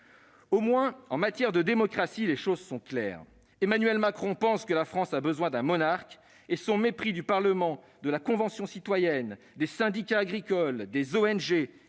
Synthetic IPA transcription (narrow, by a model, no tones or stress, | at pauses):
omwɛ̃ɑ̃mat̪jɛʁd̪əd̪emɔkχasileʃozsɔ̃klɛ̰ːʁ | emanɥɛlmakχɔ̃pɑ̃skəlafχɑ̃sabəzwɛ̃d̪ɛ̃mɔnaʁk | esɔ̃mepχid̪ypaʁləmɑ̃ | d̪əlakɔ̃vɑ̃sjɔ̃sit̪wajɛn | d̪esɛ̃d̪ikaːɡʁikɔld̪ezoɛnʒe